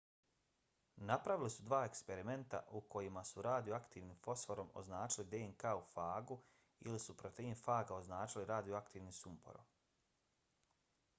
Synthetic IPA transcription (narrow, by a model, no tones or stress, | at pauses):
napɾaʋilisud̪ʋaːe̞kspe̞ɾime̞nt̪a̰ʔuko̞jimasuɾaːd̪ioakt̪iːʋnimfo̞sfo̞ɾo̞mo̞̰znaːt͡ʃilid̪eeŋkaufaːɡu | ḭlisupɾo̞t̪ejinfaːɡao̞znaːt͡ʃiliɾaːd̪ijoakt̪iːʋnisumpo̰ɾo̰m